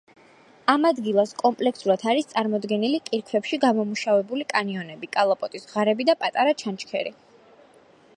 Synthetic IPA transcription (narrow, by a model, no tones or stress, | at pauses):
amad̪ɡilˠaskʼɔmpʼlɛksuɾat̪ʰaɾist̪sʼaɾmɔd̪ɡɛnilikʼiɾkʰvɛpʃiɡamɔmuʃavɛbulikʼaniɔnɛbikʼalˠɔpʼɔt̪ʼisʁaɾɛbid̪apʼat̪ʼaɾat͡ʃʰant͡ʃʰkʰɛ̰ɾi